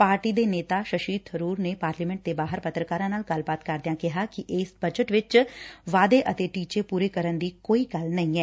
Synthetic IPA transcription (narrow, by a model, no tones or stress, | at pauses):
paːɾʈiːd̪eːneːt̪aːʃəʃiːd̪̚ʰəɾuːɾneːpaːɾliːmɛ̃ɳʈ̚d̪eːbaːɦəɾpət̪ɾəkaːɾãːnaːlɡəlbaːt̪kəɾd̪ɪjãːkɪɦaːkɪʔɪːsbəd͡ʒəʈʋɪt͡ʃʋaːd̪eːʔət̪eːʈiːt͡ʃeːpuːɾeːkəɾənd̪iːkoːiːɡəlnəĩːɛː